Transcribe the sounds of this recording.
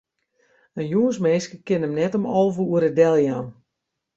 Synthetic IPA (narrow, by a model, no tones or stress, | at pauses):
ənjuənsmɛːskəkɪnəmnɛtəmɔlˠvəuəɾədɛlˠjan